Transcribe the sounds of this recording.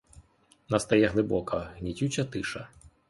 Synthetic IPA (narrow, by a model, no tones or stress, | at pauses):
nɐst̪ɐjɛɦlˠɪbɔkɐɦnʲitʲut͡ʃʲɐt̪ɪʃɐ